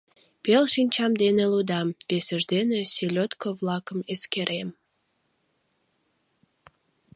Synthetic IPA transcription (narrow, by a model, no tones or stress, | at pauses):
pelʃinʲt͡ɕɑmd̪enelud̪ɑmpesəʒd̪enesilʲot̪kovlɑkəmeskeɾʔem